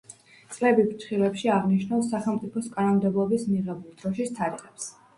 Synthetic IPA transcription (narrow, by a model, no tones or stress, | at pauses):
t̪sʼlɛbibt͡ʃʰχilɛpʃiaʁniʃnasːaχɛlˠmt̪sʼipʰɔskʼanɔmd̪ɛblˠɔbismiʁɛbulˠd̪̥ɾɔʃist̪ʰaɾiʁɛps